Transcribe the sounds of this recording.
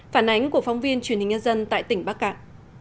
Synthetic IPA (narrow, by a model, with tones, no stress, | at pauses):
faː˧˩nʔa˨˦jŋ̟ku˧˩əfa˧wŋ͡mvi˧ənt͡ɕwənhï˨˩ŋɲə˧nzə˧nt̪a̰ː˧˨jt̪ï˧˩ŋ̟ɓaː˦˥k̚ka̰ː˧˨ʔ